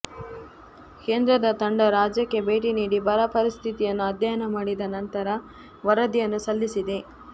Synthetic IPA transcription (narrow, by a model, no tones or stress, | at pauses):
ke̞ːnd̪ɾɐd̪ɐt̪ɐɳɖɐɾaːd͡ʒjɐkːe̞be̞ːʈiniːɽibʱɐɾɐpɐɾist̪ʰit̪ijɐnːuɐd̪jɐjɐnɐmaːɽid̪ɐnɐnt̪ɐɾɐ | ʋɐɾɐd̪ijɐnːusɐlːisid̪e̞